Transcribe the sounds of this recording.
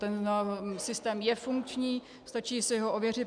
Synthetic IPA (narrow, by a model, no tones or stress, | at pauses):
t̪ɛnsɪst̪ɛːmjɛfuŋkt͡ʃɲiː | st̪at͡ʃiːsɪɦoʔovjɛr̝ɪt̪